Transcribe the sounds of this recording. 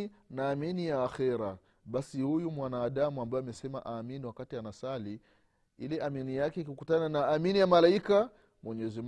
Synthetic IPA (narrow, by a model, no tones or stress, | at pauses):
naːminijaːxɛɾa | ɓasihujumwanaːɗamuambaɔamɛsɛma̰ʔaːminiwakatianasali | ilɛʔaminijakɛikukutananaːminijamalaika | mwɛɲɛzim